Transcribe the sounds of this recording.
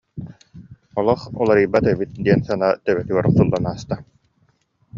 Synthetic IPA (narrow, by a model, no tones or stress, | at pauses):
ɔlˠɔχulˠaɾiːbːat̪ɛbit̪̚d̪iɛnsanat̪œβɛt̪yɡœɾsulˠːanaːst̪a